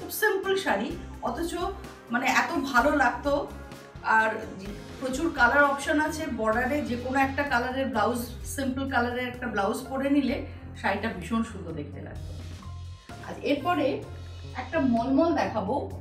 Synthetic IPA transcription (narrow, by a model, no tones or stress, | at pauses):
kʰubsimpulʃaɾiɔt̪ʰot͡ɕo | maneɛt̪obʱalolaɡ̚t̪o | aɾ | pɾot͡ɕuɾkalaɾɔpʃonat͡ɕʰebɔɖaɾed͡ʑekonoɛk̚ʈakalaɾeɾblawzsimpəlkalaɾeɾɛk̚ʈablawspoɽenile | ʃaɾjʈabiʃonʃud̪ʱod̪ek̚ʰt̪eɾa̰k̚t̪o | a̰ɾeɾpɔɾe | ɛk̚ʈamɔlmɔld̪ɛkʰabo